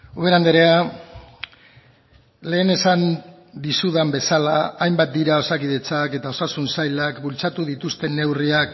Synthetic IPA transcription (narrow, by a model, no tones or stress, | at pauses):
uβeɾand̪eɾe̞a | le̞ːne̞san | d̪isuðambe̞salaajmbat̪̚d̪iɾao̞sakiðe̞t͡sake̞t̪ao̞sasunsajlakbult͡sat̪uðit̪ust̪e̞nːe̞wriak